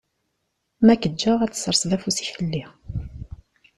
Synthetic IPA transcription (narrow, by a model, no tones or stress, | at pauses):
mækəd͡ʒːaʁæt͡sːsːəɾˤsˤðæfusi̥çəlːi